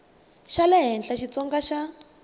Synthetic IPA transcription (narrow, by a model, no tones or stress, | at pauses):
ʃalɛɦɛnɬaʃit͡sɔŋɡaʃa